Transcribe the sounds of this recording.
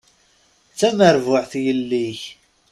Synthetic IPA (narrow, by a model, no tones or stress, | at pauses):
t͡sːæməɾvʊʕθjəlːiç